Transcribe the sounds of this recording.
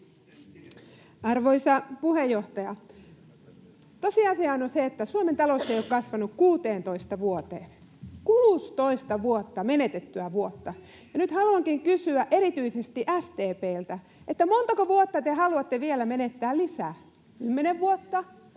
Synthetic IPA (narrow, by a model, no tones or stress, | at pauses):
ɑrʋoisɑpuhejːoht̪ɑjɑ | t̪osiɑsiɑːnonseet̪ːæsuoment̪ɑlosːejokkɑsʋɑnukkuːt̪eːnt̪oist̪ɑʋuot̪eːn | kuːst̪oist̪ɑʋuot̪ːɑmenet̪et̪ːyæʋuot̪ːɑ | jɑnyt̪hɑluɑŋkiŋkysyæʔeɾit̪yisest̪iʔæst̪eːpeːlt̪æ | ʔet̪ːæmont̪ɑkoʋuot̪ːɑt̪ehɑluɑt̪ːeʋielæmenet̪ːæːllisæː | kymːeneʋʋuot̪ːɑ